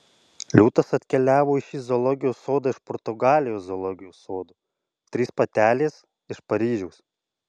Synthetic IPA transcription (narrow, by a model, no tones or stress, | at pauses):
lʲuːt̪ɐsɐt̪ʲkʲɛlʲæːʋoːɪʃʲizɔlˠɔɡʲɪjoːsoːd̪ɐːɪʃpɔɾt̪ʊɡɑːlʲɪjoːzɔlˠɔɡʲɪjoːsoːd̪uː | t̪ʲɾʲiːspɐt̪ʲæːlʲeːs | ɪʃpɐɾʲiːʒʲɛʊs